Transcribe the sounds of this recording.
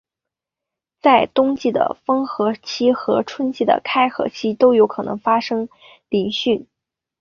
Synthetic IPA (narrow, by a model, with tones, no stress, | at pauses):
t͡sa˥˩ɪt̪ʊ˥ŋt͡ɕi˥˩d̪ə̰˩fɤ˥ŋxɤ˧˥t͡ɕʰi˥xɤ˧˥ʈ͡ʂʰwə˥nt͡ɕʰi˥˩d̪ə̰˩kʰa˥ɪxɤ̰˧˥t͡ɕʰi˥t̪o˥ʊjo˧˥ʊkʰɤ˨˩nɤ˧˥ŋfa˥ʂɤ˥ŋ | li˧˥ŋɕy˥˩n